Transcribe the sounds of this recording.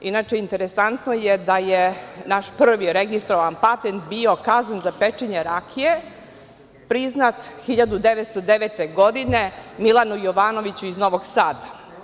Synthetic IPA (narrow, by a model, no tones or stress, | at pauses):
inaːt͡ʃeint̪eɾesant̪nojed̪ajenaʃpr̩ʋiɾeɡist̪ɾoʋanpat̪ent̪bio̞kazanzapet͡ʃeɲeɾakʰie | pɾiznat̪xiʎad̪ud̪eʋet̪st̪od̪eʋet̪eɡo̞d̪ine̞milˠanujoʋaːno̞ʋit͡ɕuizno̞ʋoɡsaːd̪a